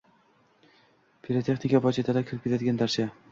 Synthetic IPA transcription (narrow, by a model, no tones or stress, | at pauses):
pʰiɾat̪ʰe̞χnɪkʲapʰɒt͡ʃʰet̪ʰad̪akʲʰelɪpkʰʲet̪ad̪ɪɡʲand̪ʰaɾsija